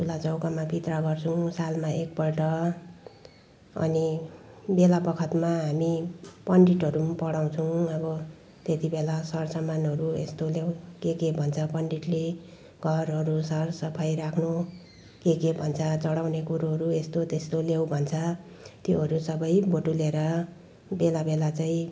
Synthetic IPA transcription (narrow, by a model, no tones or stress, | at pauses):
tʰulad͡zʌwkamapit̪rʌɡʌrt͡sʰuw̃salmaʔek̚pʌlʈʌ | ʌ̰ni | belapʌkʰʌt̪maɦamipʌɳɖiʈʌɾumpʌɽaw̃t͡sʰʌw̃ʌbʌ | t̪et̪ibelasʌrsʌmanɦʌɾuḛst̪oljawkekebʱʌnt͡sʰʌpʌɳɖiʈle | ɡʱʌrɦʌɾusʌrsʌpʰajɾakʰnu | kekebʱʌnt͡sʰʌt͡sʌɽawnekuɾoɦʌɾuest̪ot̪est̪olew̃bʱʌnt͡sʰʌ | t̪joɦʌɾusʌbʌjboʈuleɾʌ | belabelat͡saĩ